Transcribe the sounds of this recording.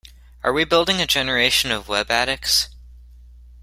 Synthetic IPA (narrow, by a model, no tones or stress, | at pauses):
ʔə˞wibɪlˠdɪ̃ŋɨd͡ʒɛnə˞eɪʃɨ̃nʌvwɛbæɾɨks